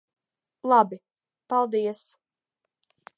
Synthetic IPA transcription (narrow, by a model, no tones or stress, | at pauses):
lˠabi | palˠd̪iɛs